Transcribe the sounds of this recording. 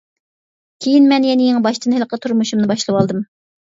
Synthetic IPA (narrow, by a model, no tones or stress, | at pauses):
kʲʰejinmɛnjɛnɪjeŋbɑʃt̪ɨnhɪlˠqʰət̪ʰuɾmuʃumnɨbɑʃlˠɨwɑlˠd̪ɨm